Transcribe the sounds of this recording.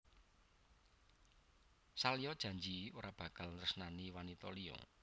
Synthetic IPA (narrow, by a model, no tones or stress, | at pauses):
salijɔd̥ʒ̥ä̤ɲd͡ʒioɾab̥ä̤kalnrəsənaniwanit̪ɔ̰liɔ̰